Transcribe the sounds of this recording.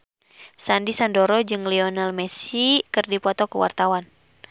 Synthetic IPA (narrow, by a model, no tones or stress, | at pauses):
sandisandɔɾɔd͡ʒɨŋliɔnalmɛsikɨrdipɔt̪ɔkəwa̰rt̪awan